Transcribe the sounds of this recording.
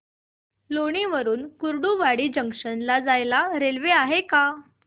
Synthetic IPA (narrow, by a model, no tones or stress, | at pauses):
loɽ̃iʋəɾuːnkuɾɖuʋaɽiːd͡ʑəŋkʂənlad͡zajlaɾelʋeaɦeka